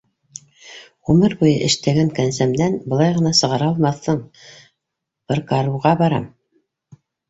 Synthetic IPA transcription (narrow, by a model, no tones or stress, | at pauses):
ʁumɤɾbujɤʔɘ̆ʃt̪æɡæŋkænsæmd̪ænbɤ̆lˠɑjʁɤ̆nɑsɤ̆ʁɑɾɑlˠmɑθːɤɴ | bɤ̆ɾkɑɾuʁɑbɑɾɑm